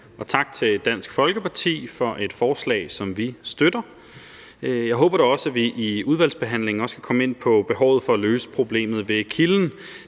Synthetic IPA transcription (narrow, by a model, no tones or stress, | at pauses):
ɒ̽t͡sʰɑ̈ɡ̥̚t͡sʰe̝ld̥æn̰sɡ̥fɒ̽lɡ̥əpʰɑ̈t͡sʰḭːfɒ̽ʔe̝d̥fɒːslɛ̰ɪsɒ̽mʋisd̥ød̥ɐ | jɑ̈ɪɦɔ̰ːb̥ɐɾ̥oɒ̽sæʋiʔiuð̞ˠʋælsb̥e̝ɦæn̰le̝ŋɒ̽sɡ̥ʰækʰɒ̽me̝n̰pʰɒ̽b̥e̝ɦɒʊ̰ð̞̩ˠfɒ̽æløːsə̥pʰʁo̝b̥le̝̰ːmð̞̩ˠʋe̝kʰiln̩